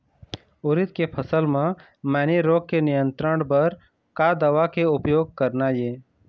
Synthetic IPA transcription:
ʊɾɪt̪kepʰəsəlmã | mɛːniɾoːɡ̚kenɪjə̃nt̪ɾəɳ̃bəɾ | kad̪əʋakeʊpjoːɡ̚kəɾnajeː

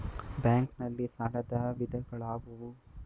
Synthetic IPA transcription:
baːŋknɐlːisaːɾɐd̪ɐʋid̪ɐɡɐɭaːbɐʋu

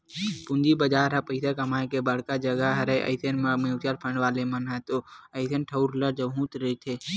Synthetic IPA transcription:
pũnd͡ʒibəd͡ʒaːɾɦapəɪsakɐmaːẽkebəɽ̤kad͡ʒəɡaɦɾəeʔɐ̰ɪsʰenmewt͡ʃaɾpʰə̃ɳɖʋaːlemənat̪oəɪt̪ʰenʈʰəʊɾləɾd͡ʒəɦũːt̪ɾəit̪ʰeː

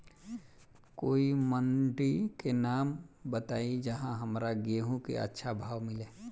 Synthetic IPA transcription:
koːimənʈɾikenaːmbət̪aːid͡ʒəɦãɦəmɾaɡeɦũkḛə̰tːʃʰabʱaːʋmɪleː

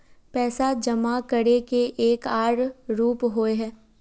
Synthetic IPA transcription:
pɛːsad͡ʒɐmakəɽekeʔeːkaːɽɾuːpɦoeɦɛː

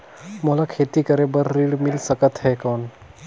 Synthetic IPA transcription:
molakʰet̪ikəɾebəɾːiɽmilsəkət̪ɦɛkɔːn

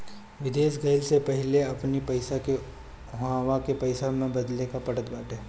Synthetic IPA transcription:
ʋɪd̪eːʃɡɐɪlsepɛɦɪleɐpnipɐɪsake | ɦãːwakepɐɪsamẽbɐd̪lekapɐʈət̪baːʈɦeː

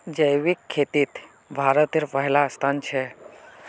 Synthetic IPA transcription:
d͡ʒəjʋikʰːeːt̪it̪ | bʱaːɾət̪iɾpəɦlast̪ʰaːnt͡ʃʰe

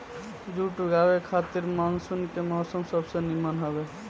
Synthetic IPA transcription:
d͡ʒuʈuɡabekʰat̪iɾmaŋsunkemɔsəmsəbsə̃nimənɦɔbe

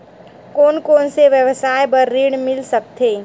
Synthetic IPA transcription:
koːnkoːnseʋjəʋsaːjbəɾːiːɽmɪlsək̚t̪ʰeː

